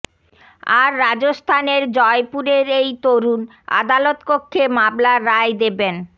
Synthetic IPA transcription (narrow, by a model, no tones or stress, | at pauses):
aɾːad͡ʑost̪ʰaneɾd͡ʑɔepuɾeɾejt̪oɾun | a̰d̪alot̪kokʰːemablaɾajd̪eben